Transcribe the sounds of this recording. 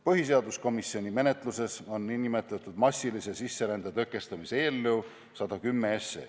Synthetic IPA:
pɤɦis̬e̞ɑd̪usko̞misːio̞nʲime̞ne̞t̪ˑluse̞so̞nːinːimet̪ˑlet̪ːˑud̪̥mɑsʲːilise̞sisːeɾænd̪ɑt̪ɤkːˑe̞st̪ɑmiseeːlːew | sɑd̪̥ɑkymːeesːḛ

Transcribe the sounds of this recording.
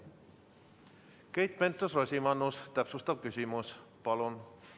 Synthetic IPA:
kejt̪̚pent̪ːosrosʲimɑnːust̪æpsust̪ɑb̚kysymuspɑlon

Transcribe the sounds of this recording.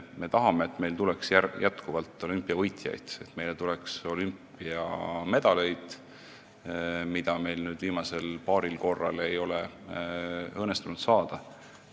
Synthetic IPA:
me̞t̪ɑɦɑme̞ːt̪ːme̞jlt̪uleksjæjæt̪kuvɑlt̪ːˑo̞lympːˑiɑvɤjt̪jɑ̰jd̪̥e̞t̪me̞jlet̪ulɛkso̞lympːˑ | iɑme̞d̪̥ɑle̞jd̪̥ | mid̪ɑme̞jlnyːd̪̥viːmɑse̞lpɑːɾilko̞rːɑ̰le̞jo̞le | ɤːnːest̪unud̪̥sɑːd̪̥ɑ

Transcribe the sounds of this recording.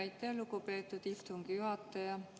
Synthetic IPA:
æjt̪ːˑeɑlukupe̞ːt̪ːˑud̪̥iht̪uŋɡ̥ijuɦɑt̪ːˑɑjɑ

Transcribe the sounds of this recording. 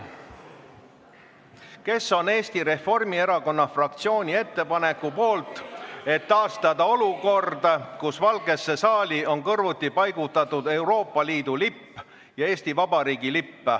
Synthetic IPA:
ke̞sːo̞ne̞ːst̪iɾe̞fo̞rmie̞ɾɑko̞nːɑfrɑkt̪sio̞ːnʲie̞t̪ːe̞pɑne̞kːupo̞ːlt̪ˑe̞t̪ːɑːst̪ɑd̪̥ɑo̞luko̞rd̪̥ɑkusvɑlɡ̥e̞sːe̞sɑːlʲio̞nkɤrvut̪ˑːipɑjɡut̪ːɑt̪ːˑud̪e̞wɾo̞ːpːˑɑliːd̪ulipː | jɑe̞ːsʲt̪ivɑbɑɾiːɡilipːe

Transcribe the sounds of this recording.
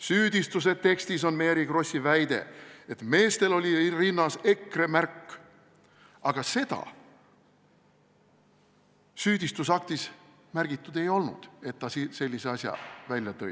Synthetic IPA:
syːd̪ist̪us̬e̞t̪e̞kst̪iso̞nme̞ːɾiɡro̞sʲːivæjd̪e̞̰et̪me̞ːst̪e̞lo̞lʲirinːɑse̞kːre̞mærkː | ɑɡ̥ɑse̞d̪̥ɑ̰ | syːd̪ist̪usɑk̚t̪is | mærɡ̥it̪ːˑud̪e̞jo̞lnṵd̪̥e̞t̪ːɑsise̞lʲːise̞ɑsʲjɑ̰vælʲjɑt̪ɤ̰j̰

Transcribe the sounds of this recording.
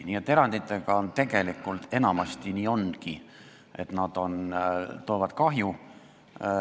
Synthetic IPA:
niːet̪ːˑe̞ɾɑnd̪it̪ːˑe̞ɡ̥ɑont̪e̞ɡe̞likːˑult̪e̞nɑmɑst̪iniːo̞nki | ʔe̞t̪nɑd̪̥o̞nt̪o̞ːvɑd̪̥kɑɦju

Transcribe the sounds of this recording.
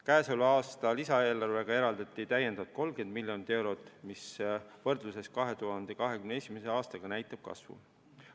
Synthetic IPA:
kæːsolɑːst̪ɑlisɑe̞ːlɑrve̞ɡ̥ɑe̞ɾɑld̪ɑt̪ːˑit̪æjːend̪ɑvt̪̚ko̞lɡ̥e̞nd̪̚milʲjo̞nit̪ːˑe̞wɾo̞t̪ːˑmisvɤ̞rd̪̥luse̞skɑɦe̞t̪uɦɑnd̪̥e̞kɑɦe̞kymneesʲimese̞ɑːst̪ɑɡ̥ɑnæjt̪ːˑɑb̥̚kɑ̰svṵ

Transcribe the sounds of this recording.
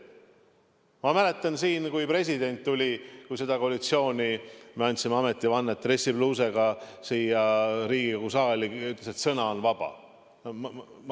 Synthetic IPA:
mɑmæle̞t̪ːˑɑnsiːnkujpre̞s̬ʲid̪e̞nʲt̪ːulʲikujse̞d̪ɑko̞ɑlʲit̪sio̞ːnʲimeɑnʲt̪simeɑme̞t̪ːˑivɑnːet̪ːˑre̞sːibluːse̞ɡ̥ɑsiːjɑɾiːɡ̥ikɑkusɑːlʲiyt̪leset̪sɤnɑonvɑb̥ɑ̰

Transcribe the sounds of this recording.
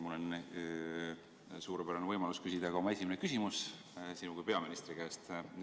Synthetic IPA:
mulːon | suːɾepæɾɑnvɤjmɑluskysʲid̪̥ɑɡ̥ɑomɑe̞sʲimenekysʲimus | sinukuijpe̞ɑminist̪ɾikæːst̪

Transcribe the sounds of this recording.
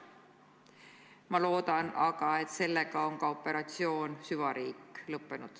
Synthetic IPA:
mɑlo̞ːd̪̥ɑnɑɡ̥ɑe̞t̪se̞lːe̞ɡ̥ɑo̞ŋkɑo̞pːˑe̞ɾɑt̪sio̞ːnsyvɑɾiːkːˑlɤpːe̞nud̪̥

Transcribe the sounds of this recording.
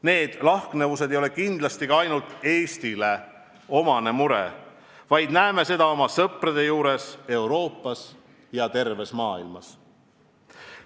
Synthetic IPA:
ne̞ːd̪̥lɑhknevus̬ed̪e̞jole̞kind̪̥lɑst̪iɡ̥ɑɑjnult̪ˑe̞ːst̪ile̞ | o̞mɑne̞muɾḛ | vɑjd̪næeme̞se̞d̪̥ɑo̞mɑsɤpred̪e̞juːɾe̞se̞wɾo̞ːpˑːɑs | jɑt̪e̞rve̞smɑːilmɑs

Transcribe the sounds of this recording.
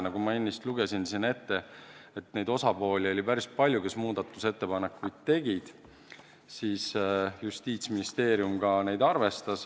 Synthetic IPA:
nɑɡ̥umɑenʲːist̪luɡesinsine̞t̪ːe̞et̪ːne̞jd̪̥o̞sɑpo̞ːlʲio̞lipæɾist̪̚pɑlʲjuke̞smuːd̪̥ɑt̪ːˑuse̞t̪ːe̞pɑnekːˑujd̪̥̚t̪e̞ɡ̥id̪̥ | siːsjust̪iːt̪sminist̪e̞ːɾjumɡ̥ɑne̞jd̪ɑrve̞st̪ɑs

